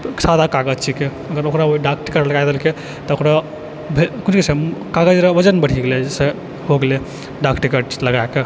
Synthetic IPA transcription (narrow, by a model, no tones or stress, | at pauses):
sad̪ʱakaɡəd͡ʒt͡ʃʰike | əɡəɾokɾaoiɖak̚ʈikəʈləɡaed̪elke | t̪ɔokɾa | bʱekunkesekaɡəd͡ʒɾəʋəd͡ʒənbəɽ̤iɡeled͡ʒese | hoɡele | ɖakʈikeʈləɡaeke